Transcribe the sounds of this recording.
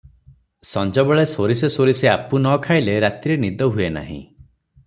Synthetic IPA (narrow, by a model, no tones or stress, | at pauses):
sɔnd͡ʒɔbɔɭesoɾisesoɾiseapunɔkʰaileɾat̪iɾenid̪ɔɦuena̰ɦḭ̃